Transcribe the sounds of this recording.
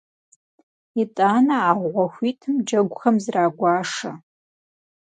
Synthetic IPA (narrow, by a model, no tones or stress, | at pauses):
itʼaːnɐaːʁʷɐxʷiːtʰɨmd͡ʒɐɡʷʼxɐmzraːɡʷaːʂɐ̰